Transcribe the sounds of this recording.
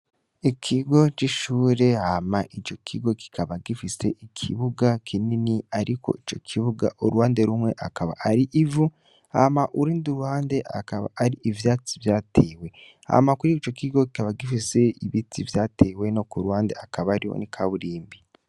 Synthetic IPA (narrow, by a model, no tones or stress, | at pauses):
ikʰiɡo̞t͡ʃiʃuːɾe̞hamaʔit͡ʃo̞kʰiɡo̞ki̥kʰaβaɡifise̞ʔikʰiβuɡakʰininiaɾiko̞̰it͡ʃo̞̰kʰiβuɡa̰ʔuɾuhaːnde̞ɾumŋe̞ʔakʰaβa̰ʔːɾiʔivu | ha̰maʔuɾiːnduɾuhaːnde̞a̰kaβa̰ːɾiʔivjaːt͡si̥vjaːtʰeːwe̞ | ha̰makuɾiit͡ʃo̞kʰiɡo̞ki̥kaβaɡifise̞iβitʰivjaːtʰe̞ːwe̞no̞kuɾuwaːnde̞akaβaɾiwo̰nikʰaβuɾiːmbi